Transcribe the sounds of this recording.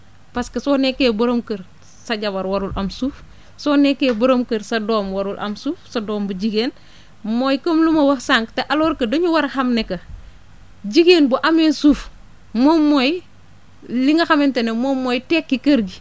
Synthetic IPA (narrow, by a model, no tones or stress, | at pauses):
pɐskɐsoːnekeːbɐɾomkəɾ | sɐɟɐbɐɾwɐɾulʔɐmsuːf | soːnekebuɾomkəɾsɐdoːmwɐɾulʔɐ̰msuːfsɐdoːmbuɟiɡeːn | mojkomlumɐwɐsaŋkteʔaloɾkɐdoɲuwɐɾxɐmnekɐ | d͡ʒiɡeːnbuʔamensuf | momoj | liŋɐxamentenemomːojteːkːikɐɾɡi